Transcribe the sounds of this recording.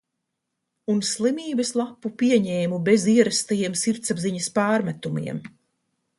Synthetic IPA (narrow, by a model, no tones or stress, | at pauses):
unslˠimiːbɐslˠapːupiɛɲɛːmubeziɛɾast̪ajiɛmsiɾt̪sabziɲɐspaːɾmæt̪umḭɛm